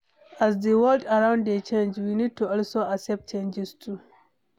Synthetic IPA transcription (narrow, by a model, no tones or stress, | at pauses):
ʔazdəwɔldaɹãwndet͡ʃɛ̃nd͡ʒwinitːuɔlsoasɛp̚t͡ʃɛ̃nd͡ʒɪstʰu